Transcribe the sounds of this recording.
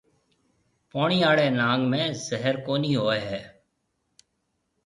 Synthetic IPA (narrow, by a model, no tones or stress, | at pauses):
paːɳiːaːɽeːnãːŋɡmẽːzəɦəɾkoːniːɦoːeɦɛː